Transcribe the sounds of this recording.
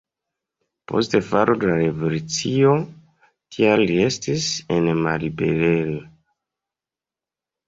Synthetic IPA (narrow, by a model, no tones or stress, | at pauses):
po̞̰ste̞faɾʔodelaɾevolut͡sio | tʰialːie̞stise̞nma̰libe̞̰ɾelo